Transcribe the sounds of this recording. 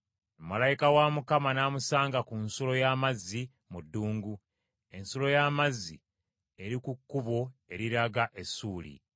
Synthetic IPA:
malajikawamukamanaːmusaːŋɡakunsolo̞jaːmazːi | mudːuːŋɡu | e̞nsolo̞jaːmazːi | e̞ɾikukːuβo̞e̞ɾiɾaɡaʔe̞suːlḭ

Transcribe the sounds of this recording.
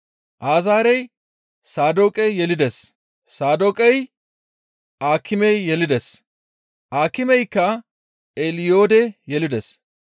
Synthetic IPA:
ʔaːzaːɾɛj | saːd̪oːkʼɛjɛlɪd̪ɛsː | aːd̪oːkʼɛj | ʔaːkːɪmɛjːɛlɪd̪ɛs | ʔaːkːɪmɛjkːɐ | elɪjoːd̪ɛjɛlɪd̪ɛs

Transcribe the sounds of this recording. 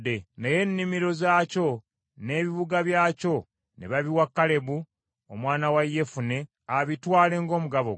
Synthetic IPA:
deneje̞nːimiɾo̞zaːco̞ | ne̞ːβiβuɡaβjaːco̞ | neβaβiwakːale̞βu | omwaːnawajːe̞fune̞ | aβitwaːle̞ŋɡo̞ːmuɡaβo̰

